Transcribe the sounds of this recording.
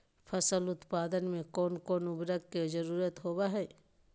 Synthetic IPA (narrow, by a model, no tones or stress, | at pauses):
pʰɐsəlʊt̪paːd̪ənmẽkɔːnkɔːnʊbɾəkkezɐɾuːɾət̪ɦoːbaɦɛː